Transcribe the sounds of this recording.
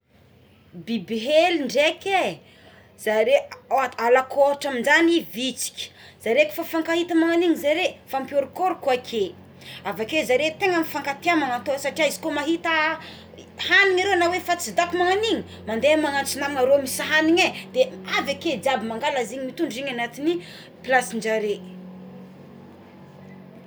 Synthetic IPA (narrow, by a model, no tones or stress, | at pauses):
bibiɦeliɳɖ͡ʐeke | z̥aɾealakʰoɦaʈ͡ʂaminzanivit͡si̥kʲi̥z̥aɾeki̥fafaŋkahit̪əmaŋaniŋizaɾefampjoɾkoɾkuakʰe | avakezaɾet̪eŋamifaŋkat̪eamaŋat̪osaʈ͡ʂiaizi̥komaɦit̪ə | haniŋaɾeanawefat͡sid̪apimaŋaniɲi | mand̪eamaŋant͡sinaŋaɾomisaɦaniɲed̪̥eavaked͡ʒabimaŋɡalaziɲimit̪uɳɖ͡ʐiɲanat̪ini | plasiɳd͡ʒaɾe